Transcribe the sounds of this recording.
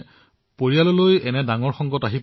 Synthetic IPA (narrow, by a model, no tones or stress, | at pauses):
poɹijalɔlojɛnɛdaŋɔɹxɔŋɡɔtaɦi